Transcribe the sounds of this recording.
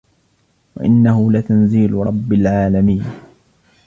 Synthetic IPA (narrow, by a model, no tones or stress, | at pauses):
wa̰ʔɪ̰nːahʊlat̪anziːlɾˤɑbːɪlʕaːlamiːn